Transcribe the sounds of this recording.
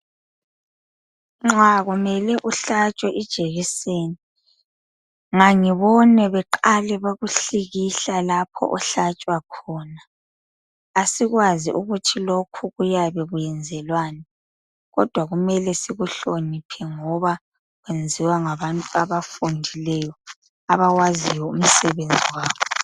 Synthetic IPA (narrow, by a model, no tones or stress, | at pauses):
ŋ͡ǁaɣumɛlɛʔuɬat͡ʃʼwɛʔid̥ʒ̥ʱeɣiseːni | ŋaŋiβɔnɛβɛǃalɛβaɣuɬiɣiɬalapʰɔ̰ʔɔɬat͡ʃʼwakʰɔːnaː | siɣwaziuɣutʰilokʰuɣujaβɛɣujɛnd͡zʱɛlwaːnɛ | ɣɔ̰d̥ʱwaɣumɛlɛsiɣuɬonipʰɛŋɔβa | ɣwend͡zʱiwaŋaβantʼuaβafundʱilɛjɔ | aβaɣwazijɔum̩sɛβend͡zʱiwaːβɔ